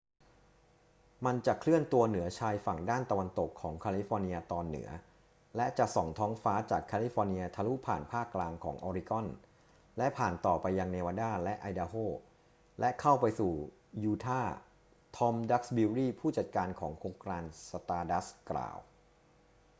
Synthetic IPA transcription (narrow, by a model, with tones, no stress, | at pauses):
ma˧nt͡ɕa˨˩kʰlɯ˥˩ənt̪u˧ɐnɯ˩˦ɐt͡ɕʰaː˧jfa˨˩ŋdaː˥˩nt̪a˧wa˧nt̪o˨˩kʰːɔː˩˦ŋkʰaː˧li˦˥fɔː˧ni˧ɐt̪ɔː˧nːɯ̰˩˦ɐ | lɛ˦˥t͡ɕa˨˩ʔsɔ˨˩ŋt̪ʰɔː˦˥ŋfaː˦˥t͡ɕaː˨˩kʰːaː˧li˦˥fɔː˧ni˧ɐ˧t̪ʰaː˧lu˦˥pʰaː˨˩npʰaː˥˩kːlaː˧ŋkʰɔː˩˦ŋʔɔː˧ɾi˦˧kɔ˥˩n | lɛ˦˥pʰaː˨˩nt̪ɔː˨˩pa˧jːa˧ŋneː˧waː˧daː˥˩lɛ˦˥ʔa˧jdaː˧ɦoː˥˩ | lɛ˦˥kʰa˥˩wpa˧jsuː˨˩ | juː˧t̪ʰaː˥˩ | t̪ʰɔ˦˥mda˦˥k̚sbiː˧ɾiː˥˩pʰuː˥˩t͡ɕa˨˩t̪̚kaː˧nkʰɔː˩˦ŋkʰoː˧ŋkɾaː˧nsa˧t̪aː˧da˦˥skɾa̰ː˨˩w